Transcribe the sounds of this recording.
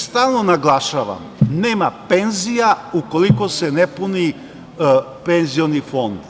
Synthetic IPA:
st̪aːlˠnonaɡlˠaʃaʋa̰mneːmapenzijaukolikosenepuni | penzijonifo̞nd̪

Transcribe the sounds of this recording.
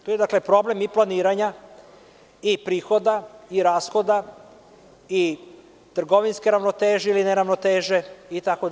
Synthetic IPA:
t̪oje̞d̪akle̞pɾo̞ble̞miplˠaniːɾaɲa | ipɾiːxo̞d̪aiɾaːsxo̞d̪a | i | t̪r̩ɡo̞ʋinske̞ɾaʋnot̪eːʒeilineɾaʋnot̪eːʒe̞it̪ako

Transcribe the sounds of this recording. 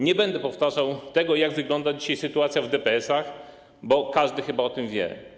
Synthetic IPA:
ɲɛbɛnd̪ɛpɔft̪aʐawt̪ɛɡɔjaɡvɘɡlɔnd̪ad͡ʑiɕajsɘt̪uat̪sʲjavd̪ɛpɛɛsax | bɔkaʐd̪ɘxɘbaɔt̪ɘmvʲjɛ̰

